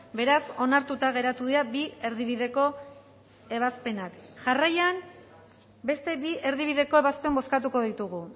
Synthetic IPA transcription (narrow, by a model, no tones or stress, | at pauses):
be̞ɾaso̞naɾt̪ut̪aɣ̞e̞ɾat̪uðiabie̞ɾðiβ̞iðe̞ko̞ | e̞β̞aspe̞nakʝarajan | be̞st̪e̞βie̞ɾðiβ̞iðe̞ko̞e̞βaspe̞mbo̞skat̪uko̞ðit̪uɣu